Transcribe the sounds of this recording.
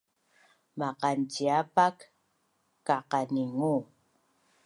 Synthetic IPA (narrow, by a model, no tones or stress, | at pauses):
mɑqɑnt͡ʃiapakː | ɑqɑnɪŋuː